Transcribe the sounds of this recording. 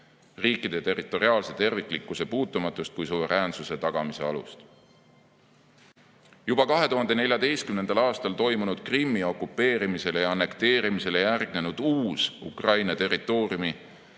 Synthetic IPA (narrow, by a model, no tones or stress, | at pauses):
riːkːˑid̪̥e̞t̪e̞rit̪ːˑo̞ɾiɑːlse̞t̪e̞rvikːˑlikːuse̞puːt̪ːˑumɑt̪ːˑust̪̚kujsuve̞ɾʔæːnsuse̞t̪ɑɡ̥ɑmise̞ɑ̰lṵst̪ | jub̥ɑkɑɦe̞t̪uɦhɑnd̪̥e̞ne̞lʲjɑd̪e̞jst̪kymne̞nd̪̥ɑlɑːst̪ɑlt̪o̞jmunud̪̥̚krimːio̞kːˑupːe̞ːɾimise̞lejɑɑnːe̞kt̪e̞ːɾimise̞le̞jærɡ̥ne̞nud̪̥uːsukrɑjnɑt̪e̞rˑit̪ˑːo̞ːɾiumi